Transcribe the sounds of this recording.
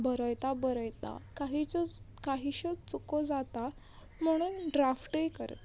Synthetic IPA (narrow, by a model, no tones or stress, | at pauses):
bəɾəjt̪abəɾəjt̪a̰kaɦit͡sɔ | kaɦiɕət͡sukɔd͡zat̪a | m̤əɽ̃uːnɖɾafʈəjikəɾ̰t̪